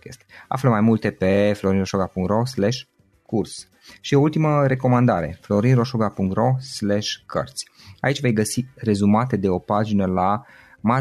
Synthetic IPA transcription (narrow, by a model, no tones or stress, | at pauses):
kʲḛst̪ea̰fləmajmult̪e̞pe̞flo̞ɾinroʃoɡapuŋkt̪ro̞sleʃ | kʰurs | ʃio̞ult̪iməɾe̞ko̞mand̪aɾe̞̰flo̞ɾinro̞ʃoɡapuŋk̚t̪ro̞sleʃʲkʰə̰rt̪sʲ | a̰it͡ʃʲve̞jɡəsire̞zumat̪e̞d̪e̞o̞pad͡ʒinəla | ma